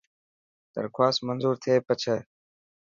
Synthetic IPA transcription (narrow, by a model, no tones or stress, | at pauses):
d̪̥ə̰ɾkʰwaːsmənzuːɾt̪ʰeːpət͡ɕʰə